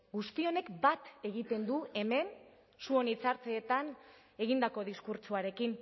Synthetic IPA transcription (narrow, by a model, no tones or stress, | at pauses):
ɡust̪io̞ne̞kbat̪e̞ɣ̞it̪e̞nd̪ue̞me̞n | suo̞nit͡saɾt͡seːt̪an | e̞ɣind̪ako̞ð̞iskuɾt͡suaɾe̞kin